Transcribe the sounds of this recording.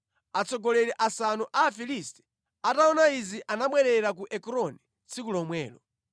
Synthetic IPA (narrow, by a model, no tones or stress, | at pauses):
at͡sʰɔɡɔlɛɾɛʔasanuʔaːfilistɛ̥ | ataɔnaiziʔanamwɛɾɛɾak̬uʔɛkɔɾɔnɛ | t͡sʰikulɔmwɛːlɔ